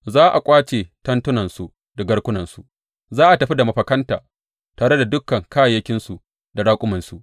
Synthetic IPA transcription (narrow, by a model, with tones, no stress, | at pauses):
zaː˦ʔa˨kʷʼaː˦t͡ʃeː˨tɐ˦ntʊ˦nɐ˨nsu˨ | da˨ɡɐ˦ɽkʷʊ˦nɐ˨nsu˨ʔ | zaː˦ʔa˨tɐ˨ɸi˦da˨mɐ˨ɸɐ˨kɐ˦ntaː˨ | taː˨ɽe˦da˨dʊ˦kːɐ˨ŋkaː˦jɐ˦kʲɪ˦nsu˨ | da˨ɽaː˦kʷʼʊ˦mɐ˨nsu˨